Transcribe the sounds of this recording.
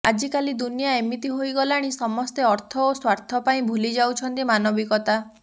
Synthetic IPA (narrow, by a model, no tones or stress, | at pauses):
a̰d͡ʒikalid̪unijaemit̪iɦojɡɔlaɽ̃isɔmɔst̪eɔɾt̪ʰɔoswaɾt̪ʰɔpaĩbʱulid͡ʒawt͡ʃʰɔnt̪imanɔbikɔt̪a